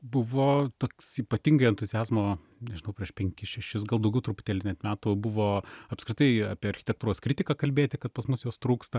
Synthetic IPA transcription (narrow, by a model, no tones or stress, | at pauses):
bʊʋoːt̪oːksiːpɐt̪ʲiŋɡɐɪɛnt̪ʊzʲɪjæːzmoː | nʲɛʒʲɪnɐʊpʲɾʲiɛʃpʲɛŋʲkʲɪsʃʲɛʃʲɪs̬ɡɐlˠd̪ɐʊɡʲɛʊt̪ɾʊpʊ̥t̪ʲeːlʲɪnʲɛt̪mʲæːt̪uːbʊʋoːɐpskɾʲɪt̪ɐɪaːpʲiɛɐɾʲxʲɪ̥t̪ʲɛkt̪uɾoːskɾʲɪt̪ʲɪkɑːkɐlʲbʲeːt̪ʲɪkɐt̪pɐsmʊsjoːst̪ɾuːkst̪ɐ